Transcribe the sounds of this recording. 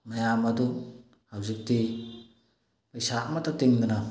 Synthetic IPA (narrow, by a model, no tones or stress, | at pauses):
najamadu | hawzik̚ti | pajsamat̪atiŋd̪ana